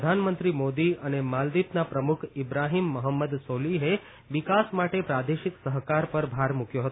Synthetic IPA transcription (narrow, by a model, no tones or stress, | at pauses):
d̪ʱanmənt̪ɾimod̪iənemald̪it̪napɾəmukʰɪbɾaɦimːəɦəmːəd̪soliɦe | ʋɪkasmaʈepɾad̪eʃiksəɦkaɾpəɾbʱaɾmukjoɦət̪o